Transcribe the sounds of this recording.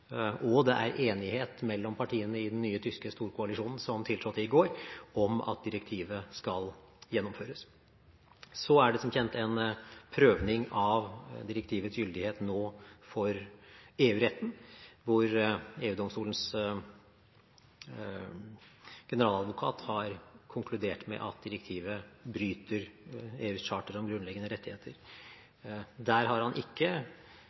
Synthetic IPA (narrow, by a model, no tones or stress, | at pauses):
ʔɔd̪ɛʔæ̰ɾʔeːnɪheːt̪mɛlːɔmpʰɑʈʰiːənəɪd̪ɛn̩ːyːət̪ʰʏskəst̪uːɾkʰʊɑlɪʂuːnn̩sɔmt̪ʰɪlt̪ɾɔt̪ːɪɡoːɾɔmɑ̰t̪̚d̪ɪɾɛkt̪ʰiːʋəskɑl | jɛnːɔmføːɾəs | sɔæɖɛsɔmçɛnt̪ɛnpʰɾøːʋnɪŋɑʋd̪ɪɾɛkt̪ʰiːʋət̪sjʏld̪ɪheːt̪noːfɔɾeːʉːɾɛt̪ːn̩ʋʊɾeːʉːd̪ɔmst̪uːlən̩s | ɡ̥ɛnəɾɑːlɑd̪ʋʊkʰɑ̰ːt̪hɑɾkʰʊŋkʰlʉd̪eːʈmɛ̰ʔɑ̰t̪̚d̪ɪɾɛkt̪ʰiːʋəbɾyːt̪əɾeːʉːɕɑːʈəɾɔmɡɾʉnlɛɡənəɾɛt̪ːɪheːt̪ʰəɾ | d̪æːɾɦɑɾhɑnʔɪkːə